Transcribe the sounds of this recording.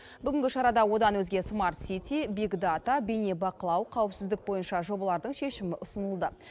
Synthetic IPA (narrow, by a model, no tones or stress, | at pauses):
bʏɡʲɪŋɡʲɪʃɑɾɑd̪ɑwo̞d̪ɑnwɵzɡʲe̞smart̪sit̪ibiɡd̪at̪abenebɑqəlˠɑwqʰɑwɪpsɪzd̪ɪk̚bo̞jənʃɑʒo̞bɑlˠɑɾd̪əɴʃe̞ʃɪmɪʔʊsənəlˠd̪ə